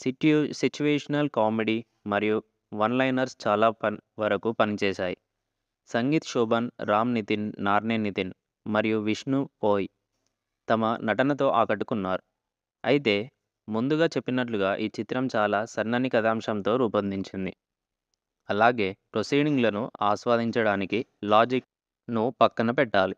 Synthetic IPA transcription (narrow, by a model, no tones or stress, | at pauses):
sit͡ʃuʋeːʂɐnɐlkaːmeɖi | mɐɾiju | ʋɐnlɐjnɐɾst͡ʃaːlaːpɐʋɐɾɐkupɐnit͡ʃɛːʃaːjḭ | sɐŋɡiːt̪ʂuːbɐnɾaːmnit̪inːaːɾneːnit̪in | mɐɾijuʋiʂnupoːji | t̪ɐmɐnɐʈɐnɐt̪o̞ːʔaːkɐʈːu̥kunːaːɾu | ɐjit̪e̞ː | mund̪uɡaːt͡ʃe̞pːinɐʈ̬luɡaːʔiːt͡ʃit̪ɾɐmt͡ʃaːlaːsɐɾnɐnikɐd̪aːmʂɐmt̪o̞ːɾuːpɐnd̪iɲt͡ʃind̪ḭ | ɐlaːɡe̞ːpɾosijɖiŋɡlɐnuaːsʋaːd̪iɲt͡ʃɐɽaːnikilaːd͡ʒik̚ | nupɐkːɐnɐpɛʈːaːli